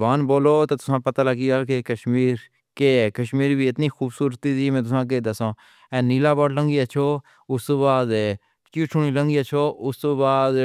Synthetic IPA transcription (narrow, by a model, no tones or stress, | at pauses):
baːnboːloːt̪eːt̪ʊsãːpət̪aːləɡiːɡaːkekəʃmiːɾ | kekəʃmiːɾbiːɪt̪niːxuːbsuːɾət̪iːsiːmɛ̃ːt̪ʊsãːk̬eːd̪əsãː | ɛ̃ːniːlaːbɔːʈləŋɡiːət͡ʃʰoː | ʊst̪oːbaːd̪ | kuːsʰʊɳ̃iːləŋɡiːət͡ʃʰoːʔʊst̪oːbaːd̪